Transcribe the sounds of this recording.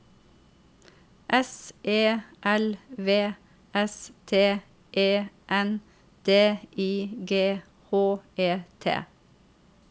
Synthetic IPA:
ʔɛsʔeːʔɛlʋeː | ɛst̪ʰeː | ʔeːʔɛn | d̪̥eːʔiːɡeː | hoːeːt̪ʰḛː

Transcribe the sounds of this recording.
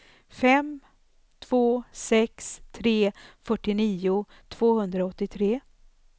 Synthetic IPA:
fɛm | t̪ʰv̥oːsɛkst̪ʰɾeːfœʈːɪniːʊ | t̪ʰv̥oːhɵnd̪ɾaɔt̪ːɪt̪ʰɾeː

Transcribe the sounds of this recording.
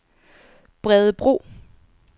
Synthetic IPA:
b̥ʁɛðˠəb̥ʁo̝̰ː

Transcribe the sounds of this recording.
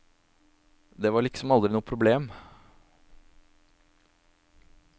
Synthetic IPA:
d̪eʋɑɾɭɪksɔmɑld̪ɾɪnuːəpʰɾʊbleːm

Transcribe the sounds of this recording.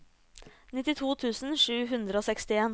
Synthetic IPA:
nɪt̪ɪt̪ʰuːt̪ʰʉːsn̩ʂʉːɦʉnd̪ɾəoːsɛkst̪ɪeːn

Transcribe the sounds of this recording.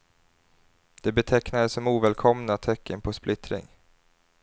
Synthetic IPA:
d̪̥ɛbɛt̪ʰɛknad̪əsɔmuːvɛːlkʰɔmnat̪ʰɛkːənpʰɔsplʔɪt̪ɾɪ̰ŋ

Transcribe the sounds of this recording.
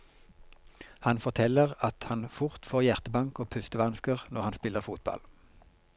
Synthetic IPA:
hɑnfɔʁt̪ʰɛləʁɑt̪hɑnfʊʁt̪foːʁjæʁt̪əbɑŋkoːpʰʉst̪əʋɑnskəʁnɔʁɑnspɪləʁfuːt̪̚bɑ̰l

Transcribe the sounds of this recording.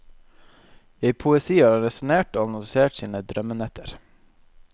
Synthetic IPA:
eːpʰʊɛsiːɑːɾɑɾɛsʊneːʈoːɑnɔŋseːʈsiːnəd̪ɾœmənɛt̪ʰəɾ

